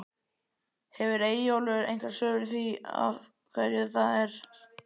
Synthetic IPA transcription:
hɛvʏɾeːjoːlʏɾḛjŋkʰvḁsœːɣʏɾθvia̰v | kʰvɛɾjʏθaðɛɾ̥

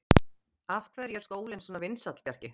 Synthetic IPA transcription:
afkʰvɛːɾjɛɾskoːwlɪnsɔnavɪnsat̪l̥pjar̥cɪ

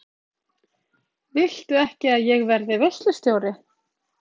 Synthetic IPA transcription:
vɪl̥t̪ʏɛhcɪaðjɛɣvɛɾðɪvœst̪lʏst̪joːwɾɪ

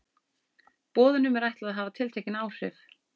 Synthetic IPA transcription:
pɔːðʏnʏmɛɾajht̪laðɦaːvat̪ʰɪlt̪ʰɛjcɪnaːwsɛf

